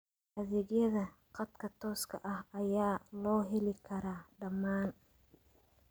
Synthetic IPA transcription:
ʔɐðɛɣjɐðɐqɑd̪kʰɐt̪ʰɔːskʰɐ̰ʔɐhɐjaːlɔːɦɛlɪkʰɐɾaːɖɐmːaːn

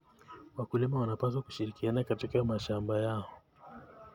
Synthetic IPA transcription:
wakulimawanapas̬waku̥ʃiɾikianakatikamaʃambajaɔ

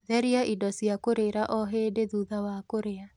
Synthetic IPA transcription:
ðɛɾiaʔidɔsiakoɾeɾaʔɔɦeːdeðuðawakoɾea

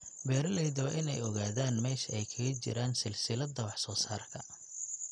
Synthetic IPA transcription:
bɛːɾɐlɛjðwʔɪnɛjɔɣaːðaːnmɛːʃɐɛjkʰɐɣɐt͡ʃɪ̰ɾaːnsɪlsɪlɐd̪ɐwɑħsɔːsaːrkʰɐ

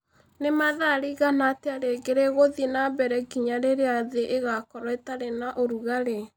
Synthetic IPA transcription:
nemaðaɾiɣanateaɾeɡeɾeɣoðinabɛɾɛɡiɲaɾeɾeaðeʔeɣakɔɾɔetaɾenaʔoɾuɣaɾe

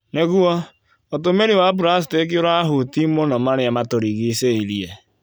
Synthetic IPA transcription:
neɡuɔ | ɔt̬omeɾiwab̬ʊɾas̬i̥tek̬oɾaaɦʊtimonɔmaɾɪamatoɾiɣiseiliḛ

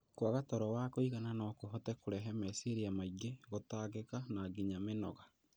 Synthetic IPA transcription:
kwaɣatɔɾɔwakoiɣananɔkoɦɔtɛkoɾɛɦɛmɛseɾiamaiɡeɣotaɣekanaːɡiɲamenɔɣa

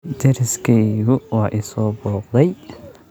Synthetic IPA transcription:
d̪ʰɛɾɪskʰɛjɣʊwɑːʔisɔːbɔːqd̪ɛj

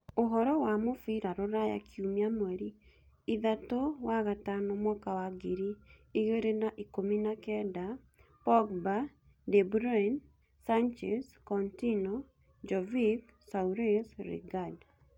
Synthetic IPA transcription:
oɦɔɾɔwamofiɾaɾoɾaja̰kʰiumiamwɛɾi | iðatowaɣatanɔmwɔkawaɡiɾiːɣeɾenaʔikominakɛda | pɔɡba | dɛbɾɔɛn | sant͡ʃɛskɔntinɔ | d͡ʒɔvik | sauɾesɾḭɡad

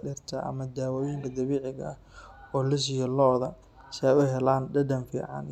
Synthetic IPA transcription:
ɗɪrt̪ʰɐʔɐ̰mɐd̪aːwɔːjɪŋkʰɐd̪ɐβiːʕɪɣɐ̰ɐh | ɔːlɪs̬ɪjɐlɔːðɐ | sɛjʊɦɛlaːnɖɐd̪ɐnfḭːʕɑ̰n

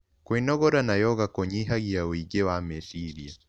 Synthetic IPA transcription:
kwenɔɣɔɾanajɔɣakɔɲiɦaɣijawiɡɛwamɛsiɾia

